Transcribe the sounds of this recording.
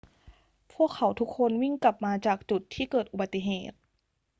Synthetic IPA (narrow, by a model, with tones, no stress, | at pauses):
pʰu˥˩əkʰːa˩˦wt̪ʰu˧˦˥kʰːo˧˥nwi˥˩ŋka˨˩p̚maː˧t͡ɕaː˨˩k̚t͡ɕu˨˩t̪ʰːiː˥˩kɤː˨˩t̪̚ʔu˨˩ba˧t̪ːi˧˩ɦeː˨˩t̪̚